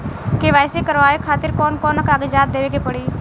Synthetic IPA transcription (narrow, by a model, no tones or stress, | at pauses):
keʋaːjsekəɾʋaːekʰaːt̪ɪɾkɔːnkɔːnəkaːɡed͡ʒaːt̪̚d̪eːʋeːɡepəɽiː